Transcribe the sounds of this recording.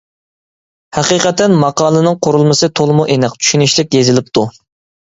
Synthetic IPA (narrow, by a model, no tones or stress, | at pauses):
hæqiːqɛt̪ːɛnmɑqɑːlˠɨnɨŋqʰoɾulˠmɨsɨt̪ʰolˠmuʔenɪqt͡ʃʰy̥ʃynɪʃlɪk̚ʲjezɪlɪp̚t̪ʰu